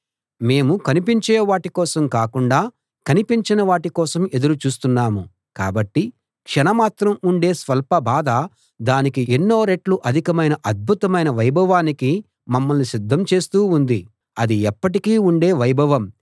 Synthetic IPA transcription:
me̞ːmukɐnipiɲt͡ʃeːʋaːʈikɔːsɐmkaːkuɳɖaː | kɐnipiɲt͡ʃinɐʋaːʈikɔːsɐme̞d̪uɾut͡ʃuːst̪unːaːmu | ka̰ːbɐʈːi | kʂɛnɐmaːt̪ɾɐmuɳɖe̞ːsʋɐlpɐbʱaːd̪ɐ | d̪aːnikienːo̞ːɾeʈluʔɐd̪ʱikɐmɐjnɐʔɐd̪̚bʱut̪ɐmɐjnɐʋɐjbʱɐʋaːniki | mɐmːɐlnisid̪ʱːɐmt͡ʃe̞ːst̪uːund̪i | ɐd̪iɛpːɐʈikiːuɳɖe̞ːʋɐjbʱɐʋɐm

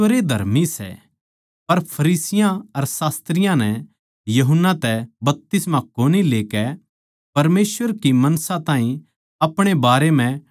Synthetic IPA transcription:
əɾed̪ʱɐ̰ɾmisɛ̰ | pɐɾpʰɐɾiːsɪjãɐɾsaːst̪ɾɪjãnɛ | jɐɦʊnːat̪ɛbɐp̚t̪ɪsmãkoːnileːkɛ | pɐɾmeːsʋəɾkimɐnsãt̪ãːĩ | ɐpɽ̃ebaːɾemɛ̃

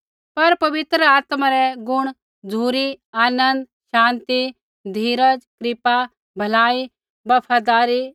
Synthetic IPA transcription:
pɐɾpɐʋɪt̪ɾəaːt̪maɾɛɡʊɽ̃ | d͡zʱuːɾiaːnə̃nd̪ | ʃãːnt̪i | d̪ʱiːɾəd͡ʒkɾɪpa | bʱɐlaːi | bɐpʰaːd̪aːɾi

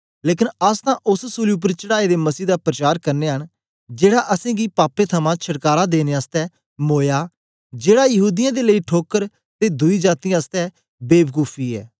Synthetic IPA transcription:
leːkɪnəst̪ãːʔʊssuːliːʊp̬əɾt͡ʃəɽaːeːd̪eːməsiːd̪aːpɾət͡ʃaːɾkəɾneːɦən | d͡ʒeːɽaːʔəsẽːɡiːpaːpːeːt̪ʰəmãːt͡ʃʰəɽkaːɾaːd̪eːneːast̪ɛː | moːjaː | d͡ʒeːɽaːjəɦuːd̪ɪjãːd̪eːləiːʈʰoːkəɾ | t̪eːd̪ʊiːd͡ʒaːt̪ijãːəst̪ɛː | beːbkuːpʰiːɛ̰ː

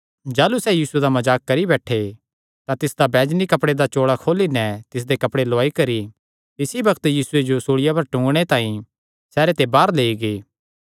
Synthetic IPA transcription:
d͡ʒaːlusɛjiːsued̪amɐd͡ʒaːkːɐɾibɛːʈʰe | t̪ãt̪ɪsd̪abɛːd͡ʒnikɐpɽed̪at͡ʃoːɽakʰoːlinɛt̪ɪs̬d̪ekɐpɽeloaːikɐɾi | t̪ɪsibɐkt̪jiːsʊed͡ʒosoːɽɪjapɐɾʈũːŋɡɽ̃et̪ãːĩ | sɛːɾet̪ebaːɾleːiɡeː

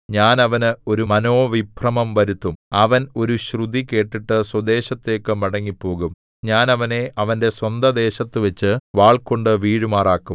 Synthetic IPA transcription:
ɲaːnɐʋɐnɨo̞ɾumɐno̞ːʋibʰʱrɐmɐmʋɐɾut̪ːumɐʋɐno̞ɾuɕrud̪ike̞ːʈːiʈːɨswɐd̪e̞ːɕɐt̪ːe̞ːkːɨmɐɽɐŋːipːo̞ːɣum | ɲaːnɐʋɐne̞ʔɐʋɐnde̞swɐnd̪ʱɐd̪e̞ːɕɐt̪ːɨʋet͡ɕːɨʋaːɭko̞ɳɖɨʋiːɻumaːraːkːum

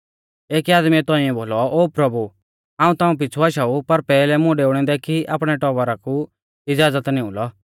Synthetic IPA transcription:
eːkiaːd̪miɛt̪ɔ̃ːĩɛ̃boːlɔoːpɾɐbu | ãːũt̪aːũp̬ɪt͡sʰuaʃaːupɐɾpɛːlɛmʊ̃ɖeːʊɽ̃ɛ̃d̪ɛkiʔa̰ːpɽ̃ɛʈɔːʋəɾaku | ɪd͡zaːzət̪nĩʊlɔ

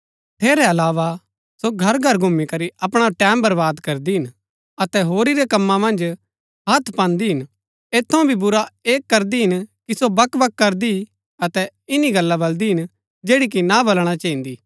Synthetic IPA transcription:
t̪ʰeːɾɛɐlaːʋa | soɡʱɐɾɡʱɐɾɡʱʊmːikɐɾiʔɐpɽ̃aʈɛ̃ːmbɐɾbaːd̪kɐɾd̪iɦɪn | ɐt̪ɛɦoːɾiɾɛkɐmːãmɐ̃nd͡ʒ | ɦɐt̪ʰpãːnd̪iɦɪn | eːt̪ʰːɐõbʱibʊɾaeːkːɐɾd̪iɦɪnkisobɐkbɐkːɐɾd̪i | ɐt̪ɛ | ɪniɡɐlːabɐld̪iɦɪn | d͡ʒeːɽik̬inabɐlɽ̃at͡ʃɐĩnd̪iː

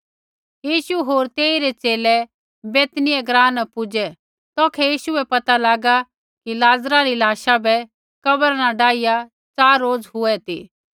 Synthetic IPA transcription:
jiːʃuɦoːɾt̪eːiɾɛt͡ʃeːlɛ | beːt̪nɪɛɡɾãːnəpʊd͡ʒɛ | t̪ɔːkʰɛjiːʃuɛpɐt̪alaːɡa | kilaːzɾaɾilaːʃabɛ | kɐbəɾnaɖaːija | t͡saːɾːoːd͡zɦʊɛt̪ḭː

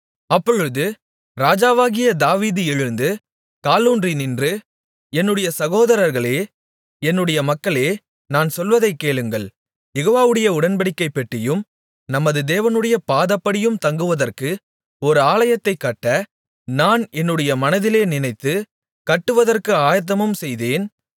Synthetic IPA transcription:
ɐpːɔɻɯðɯ | ɾaːd͡ʒaːʋaːɣɪjɐd̪aːʋiːðɯɛɻɯnd̪ɯ | kaːluːndrinɪndrɯ | ɛnːɯɽɐjɐsɐɣoːðɐɾɐɾɣɐɭeː | ɛnːɯɽɐjɐmɐkːɐɭeː | naːnsɔlʋɐðɐɪkːeːɭɯŋɡɐɭ | jɛɣoːʋaːʋɯɽɐjɐʊɽɐnbɐɽɪkːɐɪpːɛʈːrɪjɯm | nɐmːɐðɯd̪eːʋɐnɯɽɐjɐpaːðɐpːɐɽɪjɯmt̪ɐŋɡɯʋɐðɐrkɯ | ɔɾɯaːlɐjɐt̪ːɐɪkːɐʈːɐ | naːnɛnːɯɽɐjɐmɐnɐðɪleːnɪnɐɪt̪ːɯ | kɐʈːɯʋɐðɐrkɯaːjɐt̪̬ːɐmɯmsɛjðeːn

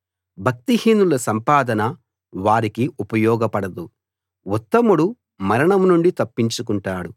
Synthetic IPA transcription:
bʱɐk̚t̪ihiːnulɐsɐmpaːd̪ɐnɐ | ʋaːɾikiʔupɐjɔːɡɐpɐɽɐd̪u | wɔt̪ːɐmuɽu | mɐɾɐɳɐmnuɳɖit̪ɐpːiɲt͡ʃukuɳʈaːɽu

